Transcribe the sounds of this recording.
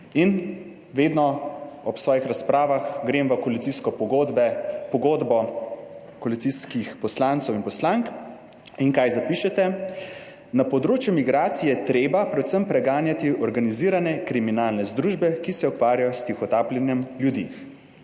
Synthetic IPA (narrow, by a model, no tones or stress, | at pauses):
in | ʋeːd̪nɔɔpsʋɔːjixɾaspɾaːʋaxɡɾeːmʋɐkɔlit̪siskɔpɔɡod̪bɛpɔɡoːd̪bɔ | kɔlit̪siskixpɔslant̪sɔwinpɔslaŋk | iŋkajzapiʃɛt̪ɛ | napɔd̪ɾoːt͡ʃjumiɡɾaːt̪sijɛt̪ɾeːbapɾɛt̪səmpɾɛɡaːnjat̪iʔɔɾɡaniziːɾanɛkɾiminaːlnɛzd̪ɾuːʒbɛkisɛɔkʋaːɾjajɔst̪ixɔt̪aːplɛnjɛmljud̪ḭ